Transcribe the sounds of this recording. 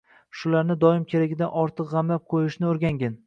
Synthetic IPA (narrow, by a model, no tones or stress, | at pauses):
ʃʊlaɾnɪd̪ɒɪmkʲʰe̞ɾaɡʲɪd̪anɒɾt̪ʰɨqʁɑmlap̚qʰojɪʃnɪoɾɡʲaŋɡʲɪn